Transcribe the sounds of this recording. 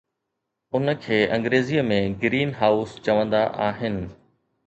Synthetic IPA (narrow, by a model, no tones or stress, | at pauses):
ʊnə̆kʰeːʔɐ̃ŋɡɾeːzijəmẽɡɾiːnɦaːʊst͡ɕɐʋə̃nd̪aʔaːɦɪnɪ̆